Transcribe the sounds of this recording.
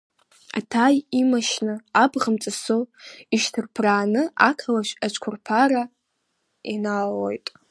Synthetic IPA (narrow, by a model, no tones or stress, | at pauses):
a̰tʰajimaʃnɨabʁəmt͡sʼasoiʃtʰɨrpʰraːnɨakʰalaʃʷᶣat͡ʃʷʰʼkʷʰʊrpʰaɾa | inalojtʼ